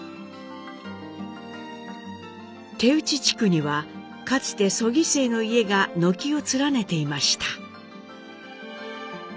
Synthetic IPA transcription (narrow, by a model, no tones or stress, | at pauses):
t̪e̞ɯ̟t͡ɕit͡ɕi̥kɯ̟ɲ̟iβa | kat͡sɨ̥t̪e̞so̞ɡʲise̞ːno̞ie̞ɡano̞kʲio̞t͡sɨɾane̞t̪e̞imaɕi̥t̪ḁ